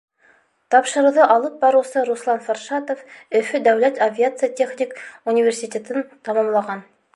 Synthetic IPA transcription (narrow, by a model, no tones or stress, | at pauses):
t̪ɑpʃɤ̆ɾuwðɤʔɑlˠɤp̚bɑɾuwsɤɾuslˠɑnfarʃɑt̪ofɵ̆fɵd̪æwlæt̪ɐvʲiat̪sɨjatʲeχnʲikunʲivʲersʲitʲet̪ɘnt̪ɑmɑmlˠɑʁɑn